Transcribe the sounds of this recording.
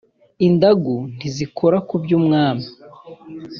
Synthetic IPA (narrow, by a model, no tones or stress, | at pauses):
indaɡun̥izikʰo̞ɾakubɟuːmŋaːma